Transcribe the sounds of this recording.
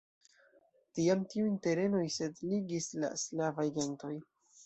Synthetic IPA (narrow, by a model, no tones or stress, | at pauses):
tiamtiujnte̞ɾe̞no̞jse̞dliɡisla̰slavajɡe̞nto̞j